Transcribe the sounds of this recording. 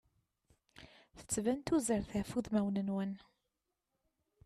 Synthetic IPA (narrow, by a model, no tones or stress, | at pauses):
θə̥t͡sːvænt̪uzəɾθæfuðmæwnənwən